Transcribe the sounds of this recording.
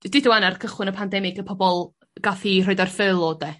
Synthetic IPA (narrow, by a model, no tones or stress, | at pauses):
dɪdəwanarkʰəχwɪnəpʰandɛmɪɡəpʰɔbɔlˠ | ɡ̥aθiroɨdarfɨlˠoːdɛ